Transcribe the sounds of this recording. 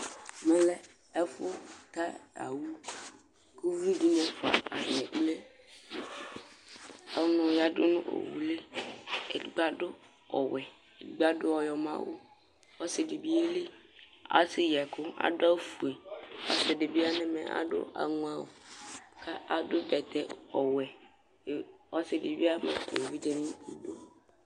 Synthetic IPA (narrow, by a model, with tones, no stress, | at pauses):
mɛ̃˦lɛ˦ | ɛ˦fʊ˦t̪a˦a̰˨wu˦ | ku˦vi˦du˦ɲɛ̃˦fa̰˨a˨nɪ̃˨k͡ple˦ | ɔ˨nʊ̃˨ja˦dʊ˦nʊ̰̃˦ʔo̰˨wu˨le˦e˨ɡ͡ba˦dʊ˦ | ɔ˨wɛ˨ | e˨ɡ͡ba˦dʊ˦ɔ˨jɔ˨mã̰˦wo̰˦ | ɔ˦sɪ˨dɪ˨bi˦e˦le˦ | a̰˨sɪ˦jɛ˨kʰʊ˦a̰˨dʊ˦a˦fu˨e˨ɔ̰˦sɪ˨dɪ˨bi˦a˦nɪ̃˦mɛ̰̃˨ʔa̰˨dʊ̰˦ʔa̰˨ŋʊ̃˦a˦wʊ̰˨kʰa˦ʔa˨dʊ˦bɛ˨t̪ʰɛ˨ɔ˨wɛ˨ | ɔ˦sɪ˨dɪ˨bi˦a˦mã̰˦ḛ˨wi˦d͡ʒe˦nɪ̃˦i˨do˦